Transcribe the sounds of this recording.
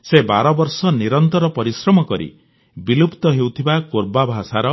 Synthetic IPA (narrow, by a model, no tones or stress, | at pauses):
sebaɾɔbɔɾsɔniɾɔnt̪ɔɾɔpɔɾisɾɔmɔkɔɾḭ | bilupt̪ɔɦewt̪ʰibakoɾbabʱasaɾɔ